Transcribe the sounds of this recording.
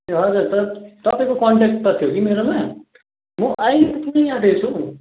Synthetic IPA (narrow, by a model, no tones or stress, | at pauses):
ɦʌd͡zurt̪ʌt̪ʌpãĩkokɔɳʈek̚ʈ̚t̪ʌt̪ʰijokimeɾomã | muʔãikut̪ʰnʌjãd̪et͡sʰu